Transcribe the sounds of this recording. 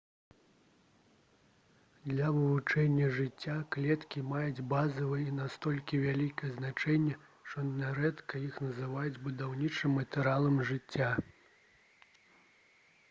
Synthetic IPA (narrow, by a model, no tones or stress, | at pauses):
d̪lʲɐvɨvut͡ʂɛnʲːɐʐɨt͡sʲːaklʲɛt̪kʲimajud͡zʲbazɐvɨjinast̪ɔlʲkʲivʲalʲikɐjɛznat͡ʂɛnʲːɛ | ʂt̪ɔnnʲaɾɛt̪kɐjixnɐzɨvajud͡zʲbud̪awnʲit͡ʂɨmːɐt̪ɛɾalˠɐmʐɨt͡sʲːa